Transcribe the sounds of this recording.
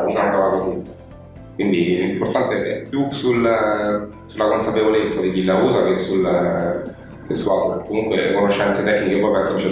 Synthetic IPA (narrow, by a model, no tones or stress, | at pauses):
usankavakozi | kwind̪ilimport̪ant̪eɛkːɛ̰pːjusula | sulːakonsapevolet̪sːad̪ikilːauːzakesːula | kesuat̪okːomuŋkwelekonoʃːɛnt̪set̪ɛkːnikepɔjpɛsɔt͡ʃa